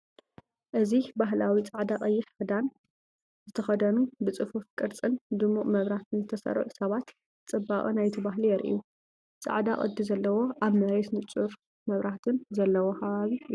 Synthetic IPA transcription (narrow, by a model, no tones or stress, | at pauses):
ʔɨzibaɦlawit͡sʼaʕd̪akʼɐjːɪħfɨd̪an | zɨt̪ʰɐxɐd̪ɐnubɨt͡sʼɨfufkʼɨɾt͡sʼɨnd̪ɨmuʔmɐβɾaht̪ʰɨnzɨt̪ʰɐsɐ̰ɾ̰ʕusɐβat̪ | t͡sʼɨbːaχʼɨnajt̪ʰibaɦlijɛɾʔḭju | t͡sʼa̰ʕd̪akʼɐ̰d̪ːizɐlːɐwo̞ʔaβmɐɾet̪nɨt͡sʼuɾ | mɐβɾʔaht̪ʰɨnzɐlːɐwokʰɐβaβi